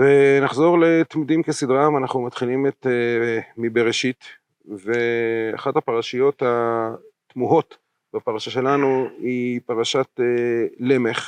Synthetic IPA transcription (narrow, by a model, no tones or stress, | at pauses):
venaχzo̞ʁle̞t̪mid̪imkesidʁamanaχnumat̪χilimet̪emibeʁeʃit̪ | ve̞a̰χathapaʁaʃijo̞that̪muɦo̞t̪ | bapaʁaʃaʃe̞lanuipaʁaʃat̪ele̞me̞χ